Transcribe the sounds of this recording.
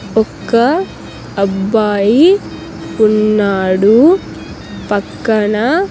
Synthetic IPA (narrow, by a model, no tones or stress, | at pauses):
ɔkːɐ | ɐbːaːji | punːaːɽu | pɐkːɐɳɐ